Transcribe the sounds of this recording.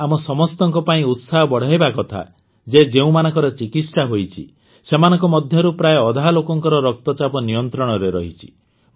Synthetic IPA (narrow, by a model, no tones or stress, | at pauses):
amɔsɔmɔst̪ɔŋkɔpaĩut̪saɦɔbɔɽ̤aɦjbakɔt̪ʰa̰ | d͡ʒed͡ʒeũmanɔŋkɔɾɔt͡ʃikit̪saɦojt͡ʃʰḭ | semanɔ̃ŋkɔmɔd̪ʱjɔɾupɾajeɔd̪ʱalokɔŋkɔɾɔɾɔk̚t̪ɔt͡ʃapɔnijɔnt̪ɾɔɽ̃ɔɾeɾɔɦit͡ʃʰi̥